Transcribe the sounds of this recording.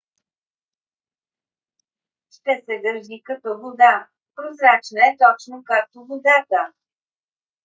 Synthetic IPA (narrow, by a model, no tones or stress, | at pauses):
ʃt̪ɛsɛɡ̪əɾʒikɐt̪ɔvod̪a | pɾozɾat͡ʃnəɛt̪ɔt͡ʃnokak̚t̪ovod̪at̪ə